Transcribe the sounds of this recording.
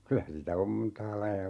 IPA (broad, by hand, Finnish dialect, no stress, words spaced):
kylæ sitæ om m̩ntɑː lɑijɑ